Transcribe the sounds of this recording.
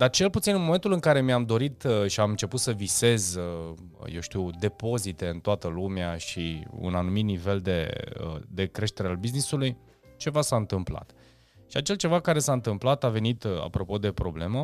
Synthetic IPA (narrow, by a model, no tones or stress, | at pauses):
d̪art͡ʃe̞lput̪sinɨnmo̞me̞nt̪ulɨŋkaɾe̞miamd̪o̞ɾit̪ʃiamɨnt͡ʃe̞put̪səvise̞zə | je̞wʃt̪iwd̪e̞po̞zit̪e̞ɨnt̪oat̪əlumeaʃiṵnanumit̪nive̞ld̪e̞ə̰d̪e̞kɾe̞ʃt̪e̞ɾealbiznisuluj | t͡ʃe̞vasaɨnt̪ɨmpla̰t̪ | ʃiat͡ʃe̞lt͡ʃe̞vakaɾe̞saɨnt̪ɨmplat̪ave̞nit̪a̰pɾo̞po̞d̪e̞pɾo̞ble̞mə